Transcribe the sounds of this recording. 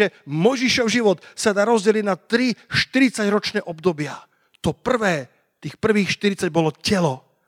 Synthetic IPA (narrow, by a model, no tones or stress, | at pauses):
ɛmɔjʒiʃɔʊʒiʋɔt̪sad̪aːɾɔzɟɛliɟnat̪ɾiʃt̪iɾit͡saɟɾɔt͡ʃnɛːʔɔbd̪ɔbɪa | t̪ɔpr̩ʋɛː | t̪iːxpr̩ʋiːxʃt̪iɾit͡saɟ̚bɔlɔcɛlɔ